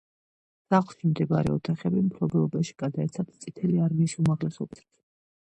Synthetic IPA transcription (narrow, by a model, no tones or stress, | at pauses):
saχlˠʃimd̪ɛbaɾɛ̰ɔt̪ʰaχɛbimpʰɾɔbɛlˠɔbaʃi̥ɡ̥ad̪aɛt̪sʰat̪t̪sʼit̪ʰɛliaɾmiːsumaʁlɛsɔbiss